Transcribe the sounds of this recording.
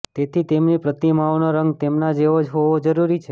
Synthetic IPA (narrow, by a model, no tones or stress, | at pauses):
t̪et̪ʰit̪emnipɾət̪imaʋnoɾəŋɡt̪emnad͡ʒeʋod͡ʒɦoʋod͡ʒəɾuɾit͡ʃʰe